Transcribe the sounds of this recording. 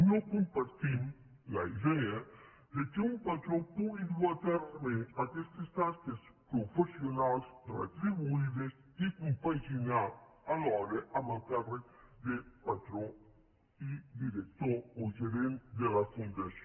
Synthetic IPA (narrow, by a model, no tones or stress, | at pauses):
nokõmpaɾt̪im | laiðɛa | d̪ekeũmpat̪ɾõpuid̪at̪aɾmeakest̪est̪askespɾofesjonalsrḛt̪ɾiβuiðes | ikompajzinaalɔɾeʔamãnt̪ɛre | d̪epat̪ɾõ | id̪iɾek̚t̪oɾoʒeɾẽnt̪d̪elafũnd̪asjo